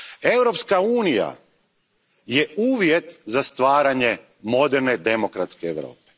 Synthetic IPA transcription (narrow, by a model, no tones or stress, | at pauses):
e̞wɾo̞pskauːnija̰ | jeuːʋjet̪zast̪ʋaːɾaɲe̞ | mo̞d̪eɾne̞d̪e̞mo̞kɾat̪skeeʋɾo̰ːpe̥